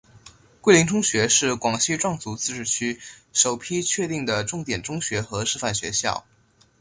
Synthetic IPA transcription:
kwe˥˩ɪli˧˥ŋʈ͡ʂʰʊ˥ŋɕɥɛ˧˥ʂɻ̩˥˩kwɑ˨˩ŋɕi˥ʈ͡ʂwɑ˥˩ŋt͡su˧˥t͡sɹ̩˥˧ʈ͡ʂɻ̩˥˩t͡ɕʰy˥ʂo˨˩ʊpʰi˥t͡ɕʰɥɛ˥˧t̪i˥˩ŋd̪ə˩ʈ͡ʂʊ˥˩ŋt̪jɛ˨˩nʈ͡ʂʊ˥ŋɕɥɛ˧˥xɤ˧˥ʂɻ̩˥˧fa˥˩nɕɥɛ̰˧˥ɕjɑ̰˥˩ʊ

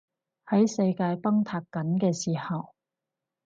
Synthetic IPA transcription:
hɐ˨˥jsɐ˧jkaː˧jpɐ˥ŋt̪ʰaː˨˧kːɐ˨˥nkɛː˧siː˨˩hɐ˨w

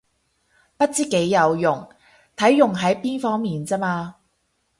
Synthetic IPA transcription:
pɐ˥t̚t͡siː˥ke˨˥jːɐ˨˧wjʊ˨˩ŋ | t̪ʰɐ˨˥jːʊ˨˩ŋɦɐ˨˥jpiː˥nfɔː˥ŋmiː˨nt͡sɐː˥maː˧

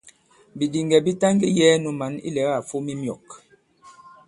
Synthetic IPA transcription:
bi˨di˨ŋɡɛ˨bi˦ta˦ŋɡi˦jɛː˦nu˨ma˨˦nḭ˦lɛ˨˦ɣa˦˨fu˦mi˦mjɔ˨k

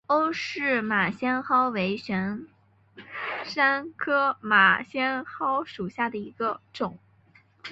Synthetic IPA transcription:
o˥ʊʂɻ̩˥˩ma˨˩ɕjɛ˥nxɑ˥ʊwe˧˥ɪɕɥɛ˧˥n | ʂa˥nkʰɤ˥ma˨˩ɕjɛ˥nxɑ˥ʊʂu˨˩ɕja˥˩d̪ə˩i˧˥ɡ̥ə˧ʈ͡ʂʊ˨˩˦ŋ

